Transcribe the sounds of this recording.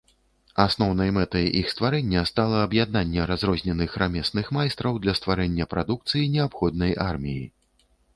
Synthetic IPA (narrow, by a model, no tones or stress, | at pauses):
asnɔwnɐjmɛt̪ɐjixst̪vaɾɛnʲːɐst̪alˠɐːbjad̪̚nanʲːɛɾazɾɔzʲnʲɛnɨxɾamʲɛsnɨxmajst̪ɾɐwd̪lʲɐst̪vaɾɛnʲːɐpɾad̪uk̚t̪sɨjinʲɛapxɔd̪̚nɐjʔarmʲijḭ